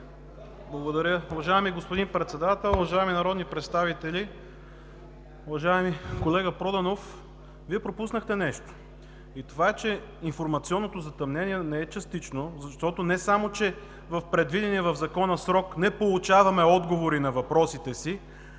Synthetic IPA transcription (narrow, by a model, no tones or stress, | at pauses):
blˠɐɡod̪ɐɾʲjəuvɐʒaɛmiɡospod̪inpɾɛt̪sɛd̪at̪ɛlˠʊvɐʒaɛminɐɾɔd̪nipɾɛt̪st̪avit̪ɛlʲi | uvɐʒaɛmikolɛɡəpɾɔd̪ɐnof | viɛpɾopusnəxt̪ɛnɛʃt̪o̥ | it̪ovaɛt͡ʃɛ | infoɾmɐt̪siɔnːot̪ozɐt̪ɐmnɛniɛnɛɛt͡ʃɐst̪it͡ʃnozɐʃt̪ɔt̪onɛsamot͡ʃɛ | vɐfpɾɛd̪vid̪ɛniɛvɐvzɐkɔnɐsɾɔknɛpolˠut͡ʃavɐmɛɔd̪ɡovoɾinɐvɐpɾɔsit̪ɛsi